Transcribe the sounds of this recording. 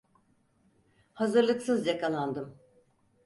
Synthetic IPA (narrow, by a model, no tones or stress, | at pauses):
hazɯɾlˠɯksɯzjakʰalˠand̪ɯm